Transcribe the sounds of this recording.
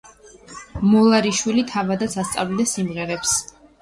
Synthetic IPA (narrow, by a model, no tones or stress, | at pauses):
mɔlˠaɾiʃwilit̪ʰavad̪at̪sʰast̪sʼa̰vlid̪ɛsimʁɛɾɛps